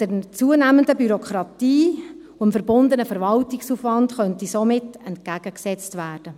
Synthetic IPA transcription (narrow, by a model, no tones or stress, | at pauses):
d̥əɾt͡suənæːməndəbyɾokʰɾɑtiː | uəmfəɾbʊndənəfəɾvɑltɪksufʋɑntχœntisomɪtɛntkæɡ̥əksɛt͡stʋæːd̥ə